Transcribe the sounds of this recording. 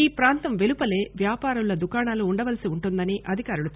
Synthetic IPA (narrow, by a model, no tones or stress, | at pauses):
iːpɾaːnt̪ɐmʋe̞lupɐle̞ːʋjaːpaːɾuɭːɐd̪ukaːɳaːluːɳɖɐʋɐlsiuɳʈund̪ɐniʔɐd̪ʱikaːɾulut̪